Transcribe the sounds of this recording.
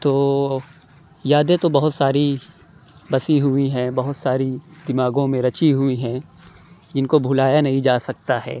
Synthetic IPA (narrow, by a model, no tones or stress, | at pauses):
t̪oː | jaːd̪et̪obɐɦʊt̪saːɾi | bɐsiɦʊiɦɛ̃bɐɦʊt̪saːɾid̪ɪmaːɡõmẽɾɐt͡ʃiɦʊiɦɛ̃ː | d͡ʒɪnkobʱʊlaːjanɐɦĩd͡ʒaːsɐk̚t̪aɦɛ̰ː